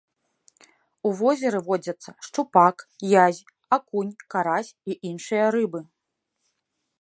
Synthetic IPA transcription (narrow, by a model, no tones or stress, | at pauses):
uvɔzʲɛɾɨvɔd͡zʲɐt̪sːɐʂt͡ʂupakjazʲ | akunʲkaɾasʲiʔinʂɨjɐɾɨbɨ